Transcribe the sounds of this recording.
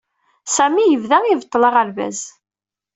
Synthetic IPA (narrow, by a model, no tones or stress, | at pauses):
sæmijəvðæivət̪ˤːləʁəɾvæ̰z